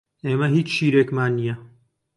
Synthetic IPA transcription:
eːmɐɦiːt͡ʃʃiːɾeːkmaːnːijɐ

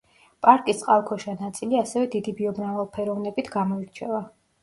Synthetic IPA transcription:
pʼaɾkʼisʼqʼalˠkʰɔʃanat̪sʼiliasɛvɛd̪id̪ibiɔbnavalˠpʰɛɾɔvnɛbit̪ʰɡamɔiɾt͡ʃʰɛva

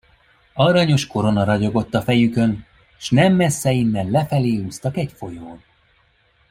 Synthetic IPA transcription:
ɒɾɒɲo̞ʃko̞ɾo̞nɒɾɒɟo̞ɡo̞t̪ːɒfɛjykø̞n | ʃnɛmːɛsːɛinːɛllɛfɛleːhuːst̪ɒkɛcfo̞joːn

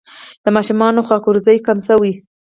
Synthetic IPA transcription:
d̪əmɑʃumɑnoxɑkʊɾzəjkamsəwi

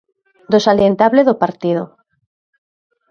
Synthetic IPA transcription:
d̪osaljent̪aβleðopaɾt̪ið̞o

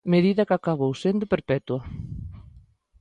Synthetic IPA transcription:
meðiðɐkakaβowsend̪ʊpeɾpɛt̪uɐ

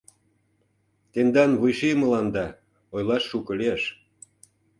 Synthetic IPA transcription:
t̪end̪ɑnβujʃemə̆lɑnd̪ɑ | ojlɑʃːukɤ̆lieʃ

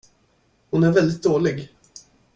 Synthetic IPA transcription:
hʊnæɾvɛld̪ɪt̪̚d̪oːlɪɡ

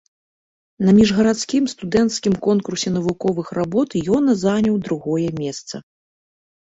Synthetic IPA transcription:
nɐmʲiʐɣɐɾat̪skʲimst̪ud̪ɛnt̪skʲimkɔnkursʲɛnɐvukɔvɨxrabɔt̪jɔnɐzanʲɐwd̪ɾuɣɔjɛmʲɛst̪sɐ̰

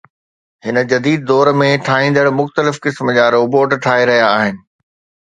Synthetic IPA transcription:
ɦɪnə̆d͡ʑɐd̪iːd̪̚ːd̪ɔːɾmẽʈʰaːɦĩːn̆d̪əɽmʊxt̪əlɪfkɪsməd͡ʑaːɾoːboːʈʈʰaːɦeɾɐɦijaːɦɪnɪ̆

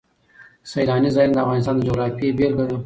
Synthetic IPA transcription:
sajlɑnizɑjnad̪əafɣɑnɪs̬t̪ɑːnd̪əd͡ʒoɣɾɑfjebelɡəɽo

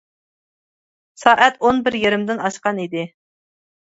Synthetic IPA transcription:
sɑːʔɛt̪onbɪɾjeɾɪmd̪ɪnɑʃqɑnid̪ɪ

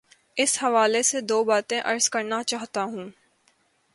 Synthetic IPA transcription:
ɪshɐʋaːlesed̪oːbaːt̪ẽʔɐɾz̥kɐɾnat͡ʃaːɦt̪aɦũː

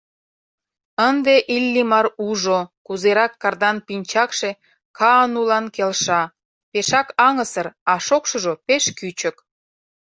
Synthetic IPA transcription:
ənd̪eʔilʲːimɑɾuʒokuzeɾɑkːɑrd̪ɑnpinʲt͡ɕɑkʃe | kʰɑənulɑnkelʃɑ | peʃɑkɑŋəsərɑʃokʃoʒopeʃkyt͡ɕə̆k

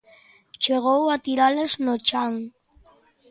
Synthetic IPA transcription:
t͡ʃeɣ̞owat̪iɾaleznot͡ʃaŋ

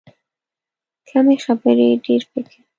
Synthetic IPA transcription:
kʰamexabəɾeɖeɾpəkʰe

